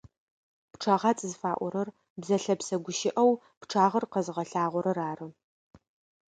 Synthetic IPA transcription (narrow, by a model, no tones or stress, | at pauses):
pʈ͡ʂʰɐʁɑːt͡sʼɨzɨfaːʔʷɔɾɐr | bzɐɬɐpsɐɡʷʊʃɪʔɐw | pʈ͡ʂʰaːʁɐrqɐzɨʁɐɬaːʁʷɔɾɐraːrɨ